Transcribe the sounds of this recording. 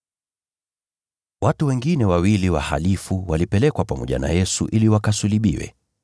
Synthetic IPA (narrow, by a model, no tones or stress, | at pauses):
watuwɛŋɡinɛwawiliwaha̰lifuwalipɛlɛkwapamɔʄa̰na̰jɛsuʔiliwakasuliɓḭwɛ̰